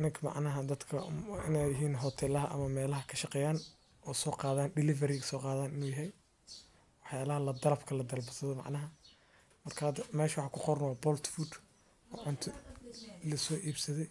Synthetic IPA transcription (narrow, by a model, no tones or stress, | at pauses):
ʔɪnɐŋkʰɐmɑ̰ʕnɐɦɐd̪ɐd̪kʰɐɪnɛjɪɦiːnɦɔt̪ʰɛːlɐɦɐʔɐ̰mɐmɛːlɐɦɐkʰɐʃɑqɛːjaːn | ʔɔːsɔːqɑːðaːnɖɪlɪvɐɾɪɣɐsɔːqɑːðaːnɪnuːjɐɦɛj | wɑħjaːlɐɦɐlɐd̪ɐɾɐbkʰɐlɐd̪ɐlbɐsɐðɔmɑ̰ʕnɐɦɐ | mɐrkʰaːmɛːʃwɑħɑːkʰʊqɔɾnwɑːbɔlt̪fud̪ | ɔːʕʊnt̪ʰʊ | lɐsɔːʔiːbsɐðɛj